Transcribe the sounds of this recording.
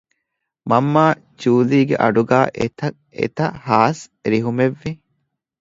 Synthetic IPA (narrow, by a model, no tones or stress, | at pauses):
mɐmːaː | d͡ʒuːliːɡeʔɐɖuɡaːʔet̪ɐ | ḛt̪ɐhaːsɾiɦumeʋːi